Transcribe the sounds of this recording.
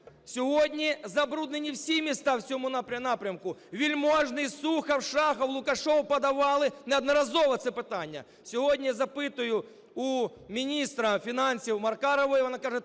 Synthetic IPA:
sʲɔɦɔdʲnʲizɐbɾud̪nenʲiwsʲimʲist̪ɑwsʲɔmʊnapɾʲɐnapɾʲɐmkʊʋʲilʲmoʐnɪjsuxɐwʂɑxɐwlˠʊkɐʂɔwʊpɐd̪ɐʋɑlˠɪnɛɐd̪nɐɾɐzɔʋɐt̪sɛpɪt̪anʲːɐ̰ | sʲɔɦɔdʲnʲijazɐpɪt̪ʊjʊ | u | mʲinʲist̪ɾɐfʲinansʲiwmɐrkaɾɐʋɔjʋɔnakaʒɛ

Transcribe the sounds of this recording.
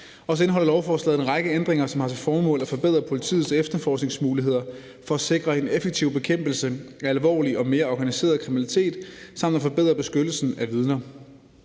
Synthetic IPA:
ɒ̽səe̝nəɦɒ̽lɐlɒʊfɒːslɛ̰ðˠe̝nʁɑ̈ɡ̥əend̥ʁeŋɐsɒ̽mhɑ̈t͡sʰe̝fɒːmɔ̰̽ːlæfɒ̽b̥e̝ð̞̰ˠʁɐpʰo̝lit͡sʰḭːð̩ˠsefd̥ɐfɒːsɡ̥ne̝ŋsmuːliɦe̝ð̞̰ˠɐ | fɒ̽æse̝ɡ̥ʁɐe̝nefeɡ̥̚t͡sʰiʊ̰b̥e̝kʰem̰b̥l̩səæælʋɒ̰ːliɒ̽me̝ːɐɒɡ̥ænise̝̰ːɐð̞̩ˠkʰʁiminælit͡sʰe̝̰ːd̥sɑ̈m̰d̥æfɒ̽b̥e̝ðˠʁɐb̥e̝sɡ̥ød̥l̩sn̩æʋið̞ˠnɐ

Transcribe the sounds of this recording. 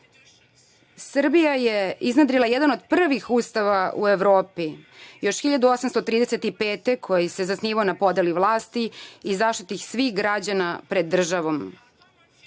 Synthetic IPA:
sr̩bijajeiznad̪ɾilˠajed̪ano̞d̪pr̩ʋixuːst̪aʋaṵe̞ʋɾoːpijo̞ʃxiʎad̪uosamst̪o̞t̪ɾiːd̪eset̪ipeːt̪e̞kʰo̞jise̞zasniːʋaonapo̞d̪eliʋlˠaːst̪iizaʃt̪it̪ixsʋixɡɾad͡ʑanapɾed̪ːr̩ʒaʋo̞m

